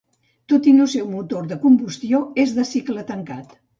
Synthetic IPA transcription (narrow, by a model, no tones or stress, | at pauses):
t̪ot̪inusɛwmut̪oɾðəkumbust̪joezðəsiklət̪əŋkat̪